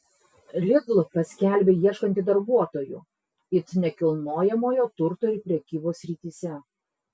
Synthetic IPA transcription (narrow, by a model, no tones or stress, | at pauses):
lʲɪɡ̪lˠpɐsʲkʲæˑlʲbʲeːjiɛʃkɐnʲt̪ʲɪd̪ɐɾbuɔt̪oːjʊ̰ | ɪt̪nʲɛkʲɪlˠnoːjɛmoːjoːt̪ʊɾt̪oːɪɾpʲɾʲɛkʲiːboːsʲɾʲiːˑt̪ʲisʲɛ